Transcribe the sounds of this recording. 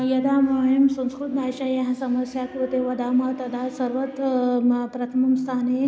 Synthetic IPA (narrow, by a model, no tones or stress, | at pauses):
jɐd̪amaːjɐmsɐ̃nskɾut̪naɕajaɦɐsɐmɐsjakɾut̪eʋɐd̪aːmɐɦt̪ɐd̪aːsɐɾʋɐt̪ | pɾɐt̪ʰɐmɐmst̪ʰaːne